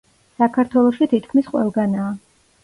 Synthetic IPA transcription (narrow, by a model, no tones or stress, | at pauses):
sakʰaɾt̪ʰwɛlˠɔʃit̪ʰit̪ʰkʰmisqʼwɛ̰lˠɡanaː